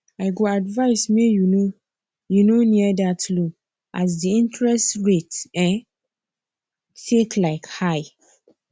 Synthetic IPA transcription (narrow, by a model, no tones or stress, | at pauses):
aɪɡoadvaɪsmejuno | junoniɛdatlo | as̬diĩntɹɛstɹetɛ̃ | tʰeklaɪkhaɪ